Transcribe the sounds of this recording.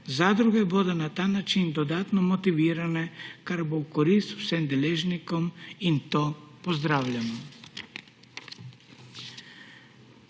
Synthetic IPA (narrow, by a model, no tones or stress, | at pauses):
zad̪ɾuɡebod̪onat̪aːnaːt͡ʃind̪od̪aːt̪nomot̪iʋiːɾanekaɾboukoɾist̪wsemd̪eleʒnikomint̪opozd̪ɾaːwʎano